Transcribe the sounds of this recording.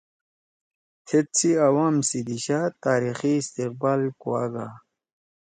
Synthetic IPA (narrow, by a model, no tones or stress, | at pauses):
tʰet̪̚t͡sʰiawaːmsid̪iɕat̪aːɾixiːst̪iq̚baːlkuwaɡa